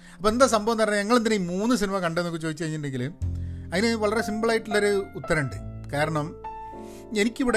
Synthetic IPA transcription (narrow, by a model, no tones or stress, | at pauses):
ɐpːoːe̞nd̪aːsɐmbɐʋɐnːɐrɐɲːɲɐŋːɐɭend̪ineimuːnːɨs̬inimɐkɐɳɖenːokːɨt͡ɕo̞ːd̪it͡ɕːkɐiɲːʈːɳɖe̞ŋɡilumɐðinɨʋɐɭɐre̞simboɭajiʈːilːoɾuut̪ːɐɾɐɳɖɨkaːɾɐɳɐm | e̞nikʲːiʋiɽe